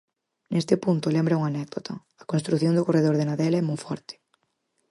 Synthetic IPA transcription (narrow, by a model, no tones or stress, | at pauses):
nest̪ɪpunt̪ʊlɛmbɾɐuŋanɛk̚d̪ot̪ɐ | ɐkõnst̪ɾuθjond̪ʊkoreðoɾðenaðɛlɛmujfɔɾt̪ɪ̥